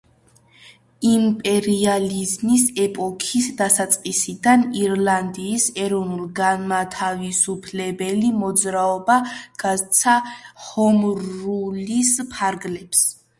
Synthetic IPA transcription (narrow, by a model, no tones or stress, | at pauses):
impʼɛɾializmisɛpʼɔkʰisd̪asat̪sʼqʼisid̪aniɾland̪iːsɛɾɔvnulˠɡanmat̪ʰavisupʰlɛbɛlimɔd̪zɾaɔbaɡ̥azt̪sʰahɔmɾulispʰaɾɡlɛps